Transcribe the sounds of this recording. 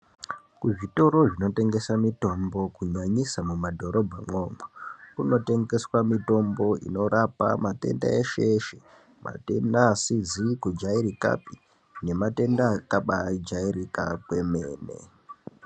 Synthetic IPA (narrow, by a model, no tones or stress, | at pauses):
kuʐito̞ɾo̞ʐino̞te̞ŋɡe̞samito̞mbo̞kuɲaɲisamumadʱo̞ɾo̞bʱaŋ͡ǃomokuno̞te̞ŋɡe̞swamito̞mbo̞ʔḭno̞ɾapa̰mate̞̰nda̰eʃeʃe | mʔa̰te̞ndasid͡zikud͡ʒaiɾika̰pi | ne̞mate̞ndakaɓad͡ʒairikakwe̞me̞ːnḛ